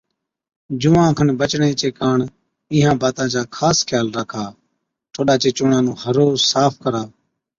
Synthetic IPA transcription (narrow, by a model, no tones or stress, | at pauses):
d͡ʒʊʋãːkʰənbət͡ʃɳẽːt͡ʃeːkaːɳ | ɪ̃ːɦãːbaːt̪ãːt͡ʃaːkʰaːskʰjaːlɾəkʰaː | ʈʰoːɗaːt͡ʃeːt͡ʃʊɳãːnũːhəɾoːsaːpʰkəɾaː